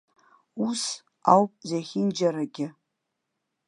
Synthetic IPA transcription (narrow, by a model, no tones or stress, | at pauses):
us | awpʼzaχʲɪnd͡ʒaɾaɡʲɪ